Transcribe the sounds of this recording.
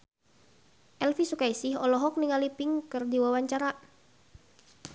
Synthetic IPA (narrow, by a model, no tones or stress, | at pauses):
ʔɛlfisukaisiɦɔlɔɦɔk̚niŋalipɪŋkɨrdiwawaɲt͡ʃaɾa